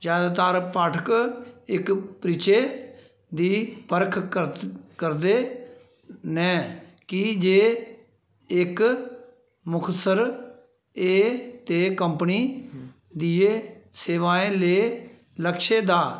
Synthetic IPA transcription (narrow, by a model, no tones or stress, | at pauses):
d͡ʒjaːd̪aːt̪aːɾpaːʈʰəkɪkpɾiːt͡ʃeː | d̪iːpəɾkʰəkəɾd̪eː | nɛ̃ː | kid͡ʒeː | ɪk | mʊkʰt̪səɾ | eːt̪eːkəmpniː | d̪iːeːseːʋaːẽːleː | ləkʃeːd̪aː